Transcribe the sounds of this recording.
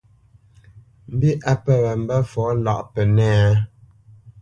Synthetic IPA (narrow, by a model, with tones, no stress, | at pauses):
m̩˦bi˦ʔa˦pə˨wɛ˨m̩˨˦bɛ˦fɔː˨˦la˨ʔpɛ˨nɛː˦